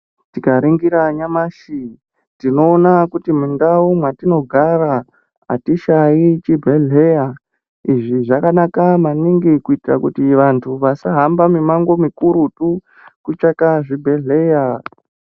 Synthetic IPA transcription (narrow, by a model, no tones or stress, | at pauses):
tikaɾiŋɡiɾaɲamaʃi | tino̞ːnakutimundaumwatino̞ɡʱara | a̰tiʃajit͡ʃibʱeɮe̞ja | iʐiʐakanakamaniŋɡikuitirakutiʋantʰuʋasaɦambamimaŋɡo̞mikuɾutu | kut͡ʃakaʐibʱe̞ɮe̞ja